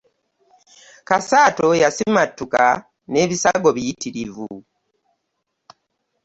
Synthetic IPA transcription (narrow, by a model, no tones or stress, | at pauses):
kasaːtojasimatːuka | ne̞ːβisaɡo̞βijitiɾivṵ